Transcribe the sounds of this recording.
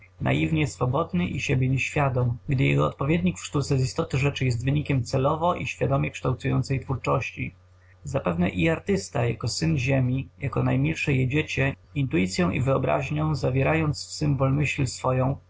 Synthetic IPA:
na̰jivɲɛsfɔbɔd̪nɘʔiɕebʲɛɲɛɕfʲjad̪ɔmɡd̪ɘjɛ̰ɡɔɔ̰t̪̚pɔvʲjed̪ɲikfʂt̪ut̪sɛzist̪ɔt̪ɘʐɛt͡ʂɘjɛst̪vɘɲikʲɛmt̪sɛlɔvɔʔiɕfʲjad̪ɔmʲɛkʂt̪awt̪sujɔnt̪sɛjt̪fuɾt͡ʂɔɕt͡ɕi | zapɛvnɛʔiaɾt̪ɘst̪aja̰kɔsɘnʑemʲijakɔnajmʲilʂɛjɛd͡ʑet͡ɕɛ | int̪ujit̪sʲjɔ̃w̃ʔḭvɘɔbɾa̰ʑɲɔ̃w̃zavʲjeɛɾajɔnt̪sfsɘmbɔlmɘɕlsfɔjɔ̃w̃

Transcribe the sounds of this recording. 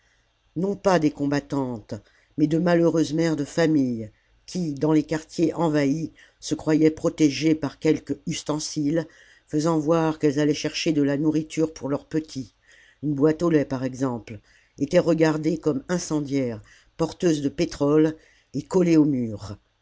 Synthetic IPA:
nɔ̃pad̪ekɔ̃bat̪ɑ̃t̪ | mɛd̪əmaløʁøzmɛʁd̪əfamij | kʲʰid̪ɑ̃lekaʁt̪jeʔɑ̃vai | səkχwajɛpχɔt̪eʒepaʁkʲɛlkyst̪ɑ̃sil | fəzɑ̃vwaʁkɛlzalɛʃɛʁʃed̪əlanuʁit̪ʰyʁpuʁlœʁpət̪ʰi | ynbwat̪olɛpaʁɛɡzɑ̃pl | et̪ɛʁəɡaʁd̪ekɔmɛ̃sɑ̃d̪jɛʁ | pɔʁt̪øzd̪əpet̪χɔl | ekɔleomyːʁ

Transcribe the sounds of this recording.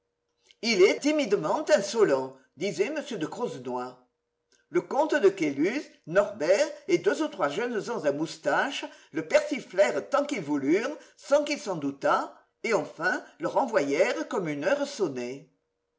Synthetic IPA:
ilɛt̪imid̪əmɑ̃t̪ɛ̃sɔlɑ̃ | d̪izɛməsjød̪əkχɔznwa | ləkɔ̃t̪əd̪əkelysnɔʁbɛʁed̪øzut̪χwaʒœnzɑ̃zamust̪aʃələpɛʁsiflɛʁət̪ɑ̃kilvulyʁsɑ̃kilsɑ̃d̪ut̪a | eɑ̃fɛ̃ləʁɑ̃vwajɛʁəkɔmynœʁəsone

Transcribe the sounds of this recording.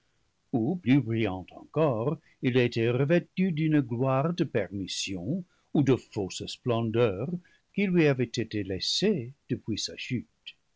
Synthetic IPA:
uplybʁijɑ̃t̪ɑ̰̃kɔʁ | ilet̪eʁəvɛt̪yd̪ynɡlwaʁd̪əpɛʁmisjɔ̃ | ud̪əfossplɑ̃d̪œʁ | kilɥiavɛt̪et̪elɛsed̪̥əpwisaʃyt̪

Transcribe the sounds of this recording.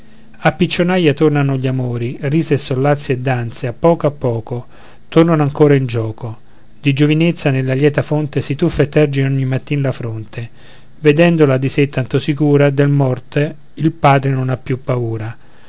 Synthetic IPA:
apːit͡ʃːonajat̪ornanoʎamoːɾiriːseːsːolːat̪sːjed̪ːant̪seapːɔːkoapːɔːko | t̪ornanoaŋkoːɾaind͡ʒɔːko | d̪id͡ʒovinet̪sːanelːaljɛːt̪afont̪esit̪ufːet̪ːɛrd͡ʒinoɲːimːat̪ːiːnalafɾont̪ʰe | ved̪ɛnd̪olad̪iset̪ːant̪osikuːɾad̪elmɔrt̪e | ilpaːd̪ɾenonapːjupːauːɾa

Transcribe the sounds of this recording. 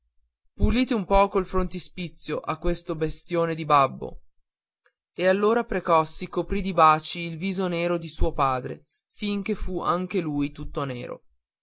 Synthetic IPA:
puliːt̪eumpɔːkoilfɾont̪ispit̪sːjoʔakːwest̪obest̪joːned̪ibabːo̰ | ealːoːɾapɾekɔsːikopɾid̪ibaːt͡ʃiːlviːzoneːɾod̪isuːopaːd̪ɾḛ | fiŋk̟efuaŋk̟elujt̪ut̪ːonḛːɾo̰

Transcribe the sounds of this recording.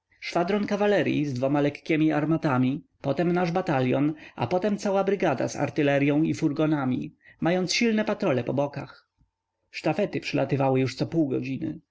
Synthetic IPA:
ʂfad̪ɾɔnkavalɛɾʲjḭzd̪vɔmalɛkːʲɛmʲiaɾmat̪amʲipɔt̪ɛmnaʐbat̪alʲjɔnʔa̰pɔt̪ɛmt̪sawabɾɘɡad̪a̰za̰ɾt̪ɘlɛɾʲjɔ̃w̃ifuɾɡɔnamʲḭmajɔnt̪sɕilnɛpat̪ɾɔlɛpɔbɔkax | ʂt̪afɛt̪ɘpʂɘlʔat̪ɘvawɘjuʂt̪sɔpuwɡɔd͡ʑinɘ̰

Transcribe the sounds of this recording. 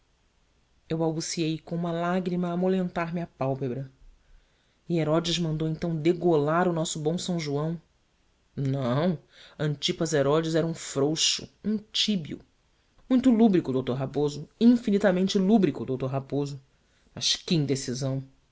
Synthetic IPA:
ewbawbusiejkõũmɐlaɡɾimɐːmolẽnt̪aɾmɪɐpawpebɾɐ | ɪeɾɔd͡ʒɪzmɐ̃nd̪owẽnt̪ɐ̃w̃d̪eɡolaɾʊnɔsʊbõw̃sɐ̃w̃ʒuɐ̃w̃ | nɐ̃w̃ɐ̃nt͡ʃipɐzeɾɔd͡ʒɪzɛɾɐũfɾowʃʊ̰ũt͡ʃibiʊ̰ | mũj̃t̪ʊlubɾikʊd̪owt̪oɾɦapozʊĩfinit̪ɐmẽnt͡ʃɪlubɾikʊd̪owt̪oɾɦapozʊ | mɐʃkẽj̃d̪esizɐ̃w̃

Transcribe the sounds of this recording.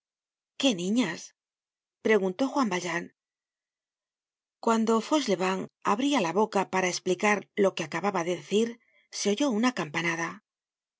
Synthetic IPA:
ke̞nĩɲas | pɾe̞ɣunt̪o̞xwambaʎaŋ | kwand̪o̞fo̞sle̞βaŋa̰βɾialaβo̞kapaɾae̞splikaɾlo̞ke̞akaβaβaðe̞ðeθiɾ | se̞o̞ʝo̞unakampanaða

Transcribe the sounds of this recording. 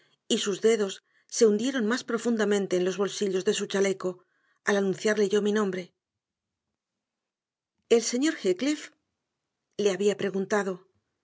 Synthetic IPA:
isuzðe̞ðo̞sː | e̞und̪je̞ɾo̞nmaspɾo̞fund̪amẽ̞nt̪e̞ːnlo̞zβo̞lsiʎo̞zðe̞sut͡ʃale̞ko̞ | alanũnθjaɾle̞ʝo̞minõ̞mbɾe̞ | e̞lse̞ɲo̞ɾxeklif | le̞aβiapɾe̞ɣunt̪aðo̞

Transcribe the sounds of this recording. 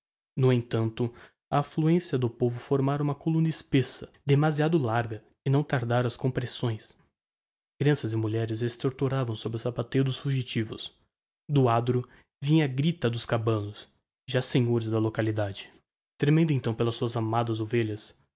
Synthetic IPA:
nʊẽt̪ɐ̃nt̪ʊ | ɐːfluẽsiɐd̪ʊpovʊfoɾmaɾɐũmɐkolũnɐɪspesɐd̪emaziad̪ʊlaɾɡɐ | ɪnɐ̃w̃t̪aɾd̪aɾɐɐskõpɾesõj̃s | kɾiɐ̃sɐzɪmuʎɛɾɪzest̪oɾt̪uɾavɐ̃w̃sobɾɪʊsapat̪ejʊd̪ʊsfuʒit͡ʃivʊ̰s | d̪ʊad̪ɾʊ | vĩɲɐɡɾit̪ɐd̪ʊskabɐ̃nʊs | ʒasẽɲoɾɪzd̪ɐlokalid̪ad͡ʒɪ̥ | t̪ɾemẽnd̪ʊẽnt̪ɐ̃w̃pelɐsuɐzamad̪ɐzoveʎɐs

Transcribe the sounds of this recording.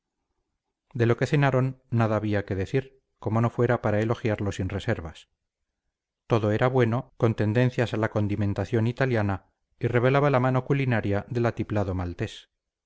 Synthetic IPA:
d̪e̞lo̞ke̞θe̞naɾo̞nːaðaːβiake̞ðe̞θiɾ | ko̞mo̞no̞fwe̞ɾapaɾaelo̞xjaɾlo̞sinre̞se̞ɾβas | t̪o̞ðo̞e̞ɾaβwe̞no̞ko̞nt̪e̞nd̪e̞n̟θjasalako̞nd̪imẽ̞nt̪aθjo̞nit̪aljana | ire̞β̞e̞laβalamano̞kulinaɾjaðe̞lat̪iplaðo̞malt̪e̞s

